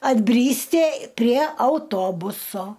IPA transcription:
ɐdʲˈbʲrʲiːsʲtʲɪ pʲrʲiɛ ɐʊˈtoːbʊsoː

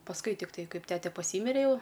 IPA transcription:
pɐsˈkʊɪ tʲɪkˈtɐɪ ˈkɐɪp ˈtʲæːtʲɛ pɐˈsʲiːmʲɪrʲɛ jɛʊ

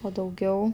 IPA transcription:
oː dɐʊˈɡʲɛʊ

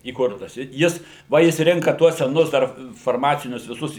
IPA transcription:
iːˈkʊrtɐs ɪ ˈjɪs ˈʋɐ ˈjɪs ˈrʲɪŋkɐ ˈtuɔs sʲɛˈnʊs ˈdɐr fɐrˈmɑːt͡sʲɪnʲʊs ʋʲɪˈsʊs

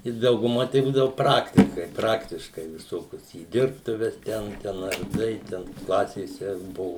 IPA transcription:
ɪ dɐʊɡʊˈmɐ tɐɪ ˈbuːdɐʋʊ ˈprɑːktʲɪkɐɪ ˈprɑːktʲɪʃkɐɪ ʋʲɪˈsoːkʲʊs iː ˈdʲɪrptʊʋʲɛs ˈtʲɛn ˈtʲɛn ɐrˈdɐɪ ˈtʲɛn ˈklˠɑːsʲeːsʲɛ ˈbʊʋʊ

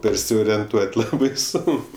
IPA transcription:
pʲɛrʲsʲoːrʲiɛnˈtuɔtʲ ˈlˠɑːbɐɪ ˈsoːŋk

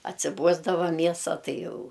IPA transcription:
ɐtʲsʲɪˈbuɔzdɐʋɐ ˈmʲiɛsɐ ˈtɐɪ ˈjɛʊ

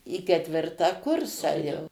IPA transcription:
iː kʲɛtʲˈʋʲɪrtɑː ˈkʊrsɑː jɛʊ

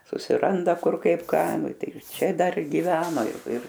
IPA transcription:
sʊsʲɪˈrɐndɐ ˈkʊr ˈkɐɪp ˈkɑː ˈnʊ ˈtɐɪ ˈt͡ʃʲɛ dɐr ɡʲɪˈʋʲæːnoː ɪr ˈɪr

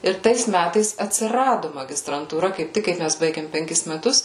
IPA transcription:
ɪr ˈtɐɪs ˈmʲætɐɪs ɐtʲsʲɪˈrɑːdʊ mɐɡʲɪstrɐntuːˈrɐ kɐɪp ˈtʲɪk kɐɪ ˈmʲæs ˈbɐɪɡʲeːm pʲɛŋʲˈkʲɪs mʲɛˈtʊs

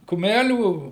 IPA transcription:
kʊˈmʲælʲuː

